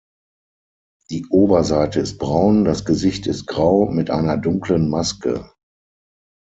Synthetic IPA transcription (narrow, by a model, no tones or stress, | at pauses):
d̥iːʔoːbɐzaɪtəɪst̚b̥ʁaʊndasɡ̥əzɪçtɪst̚ɡ̥ʁaʊmɪtʔa̰ɪnɐdʊŋklənmaskə̰